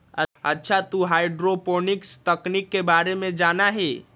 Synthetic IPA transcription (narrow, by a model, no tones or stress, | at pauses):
əətːʃʰat̪uɦaːɪɖɾopoːnɪkst̪əknikːebaːɾemẽd͡ʒaːnaɦeː